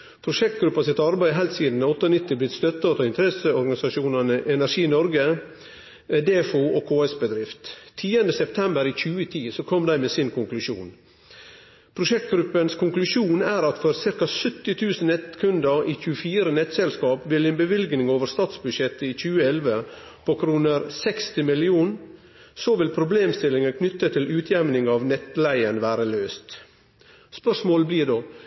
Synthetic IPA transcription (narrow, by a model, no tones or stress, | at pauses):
pʰɾʊʂɛk̚t̪̚ɡɾʉpːɑsɪt̪ɑɾbæɪɦæɪlt̪siːd̪n̩ɔt̪ːəɔnɪt̪ːɪblɪt̪st̪œt̪ːɑt̪ʰɑːɪnt̪əɾɛsəɔɾɡɑnɪsɑʂuːnɑnəʔɛnæɾʂiːnɔɾɡə | d̪eːfuoːkʰoːɛsbəd̪ɾɪft̪t̪ʰːiːənd̪əsɛpt̪ʰɛmbəɾiːçʉːət̪ʰiːsɔkʰɔmd̪æɪmeːsɪnkʰʊŋklʉʂṵːn | pʰɾʊʂɛk̚t̪̚ɡɾʉpːənskʰʊŋklʉʂuːnæːɾɑt̪fɔɾsɪɾkɑsʏt̪ːɪt̪ʰʉːsən̩ɛt̪kʰʉnd̪əʔiːçʉːəfiːɾənɛt̪ːsɛlskɑːpʋɪlɛnbəʋɪlɡnɪŋoːʋəɾst̪ɑːt̪sbʉdʂɛt̪ːəiːçʉːəɛlʋə | pʰokʰɾuːnəɾsɛkst̪ɪmɪlɪuːn | sɔʋɪlpʰɾʊbleːmst̪ɪlːɪŋəkʰnʏt̪ːət̪ʰɪlʉːt̪ʰjæmnɪŋɑːʋnɛt̪læɪənʋæːɾəløːst̪ | spœʂmoːlbliːd̪oː